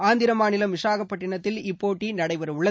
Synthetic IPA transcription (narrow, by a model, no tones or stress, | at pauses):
aːnd̪ɪɾɐmaːnɪlɐmʋɪʂaːɣɐpːɐʈːɪɳɐt̪ːɪlɪpːoːʈːinɐɽɐɪʋɐɾʊɭːɐ